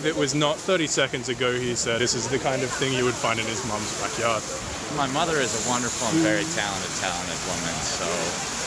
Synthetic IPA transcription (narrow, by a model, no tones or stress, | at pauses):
ðɨʔ̚wʌznət̪̚θɜ˞ɾisɛkɨ̃ndzɨɡoʊisɛɪsɨzðɨkʰãɪ̃ndʌv̥θɪ̃ŋjɨwɨd̥fãɪ̃ndɨ̃nɨzmʌ̃mzɹæɪkjɑɹd̪̚ | maɪmʌðə˞ɨzəwʌ̃ndə˞fl̩ˠə̃nvɛɹitʰæl̃ˠñɨtʰa̰lˠə̃nɨd̚wʊ̃mɨ̰̃nsoʊ